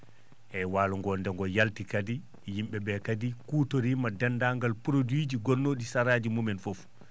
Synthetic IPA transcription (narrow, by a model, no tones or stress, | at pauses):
ʔɛwaːluŋɡɔndɛŋɡɔjaltikadi | jimɓɛbɛkadikuːtoɾimadɛndaŋɡalpɾodwid͡ʒiɡonːoɗisaɾaːd͡ʒimumɛnfɔf